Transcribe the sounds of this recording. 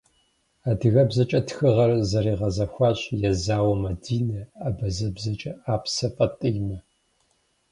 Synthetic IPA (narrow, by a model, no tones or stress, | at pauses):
aːdɨɣɐbzɐt͡ʃʼɐtxɨʁɐrzɐɾiːʁɐzɐxʷaːɕjɛzaːwɐmɐdiːnɐabɐzɐbzɐt͡ʃʼɐaːpʰsɐpʼɐtʼɨjmɐ